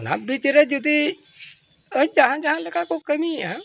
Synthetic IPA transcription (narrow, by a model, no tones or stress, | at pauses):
na̰bit͡ʃɾed͡ʒud̪i | əd͡ʒaɦãd͡ʒaɦãləkakokəmiã